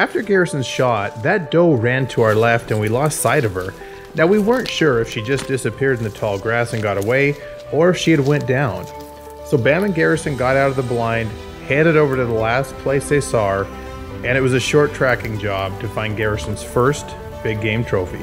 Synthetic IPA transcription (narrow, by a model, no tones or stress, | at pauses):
æftə˞ɡɛɹɨsn̩z̥ʃɑt̪̚ðɨt̚d̥oʊɹæ̃ntʰəaʊə˞lɛftɨ̃nwilɔstsaɪɾʌv̥ə˞ | naʊwiwɜ̃˞ntʃʊɹɨfʃid͡ʒʌsd̥ɪsɨpʰɪɹɾn̩ðɨtʰɔlˠɡɹæsɨ̃n̩ɡɑɾəweɪ | ə˞ɨfʃiɨd̚wɛ̃nd̥ãʊ̃n | soʊbæmɨ̃nɡɛɹɨsɨ̃nɡɑɾaʊɾʌvðəblãɪ̃nd̚ | hæ̃ndɨɾoʊvə˞ɾɨðəlæspʰl̥eɪsðeɪsɔ | ɨ̃ɾ̃ɨt̚wʌzɨʃɔɹtʰɹ̥ækɪ̃ŋd͡ʒɑb̥̚tʰɨfãɪ̃nɡɛɹɨsn̩z̥fɜ˞st | b̥ɪɡ̚ẽɪ̃mtʰɹ̥oʊfḭ